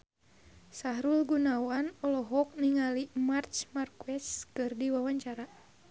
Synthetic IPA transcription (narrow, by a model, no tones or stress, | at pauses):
saɦɾulɡunawanɔlɔɦɔk̚niŋalimart͡ʃmarkuɛskɨrdiwawaɲt͡ʃaɾa